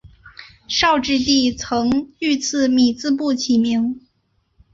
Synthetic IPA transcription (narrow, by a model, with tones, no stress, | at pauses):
ʂɑ˥˧ʊʈ͡ʂɻ̩˥˧t̪i˥˩t͡sʰɤ˧˥ŋy˥˧t͡sʰɹ̩˥˩mi˨˩t͡sɹ̩˥˧p̬u˥˩t͡ɕʰi˨˩mi˧˥ŋ